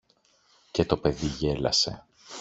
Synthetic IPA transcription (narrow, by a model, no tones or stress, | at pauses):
ce̞t̪o̞pe̞ðiʝe̞lɐse̞